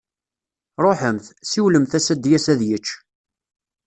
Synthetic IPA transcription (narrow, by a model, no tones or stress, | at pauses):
ɾˤoħəmθsiwləmθæsæd̪jæsæðjət͡ʃː